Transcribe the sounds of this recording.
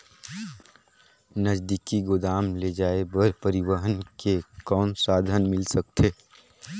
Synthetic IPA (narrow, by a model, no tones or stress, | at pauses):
nəd͡ʒd̪ikiɡʊd̪aːmled͡ʒaːebəɾpəɾɪwəɦənkekɔːnsaːd̪ʱənmɪlsək̚t̪ʰeː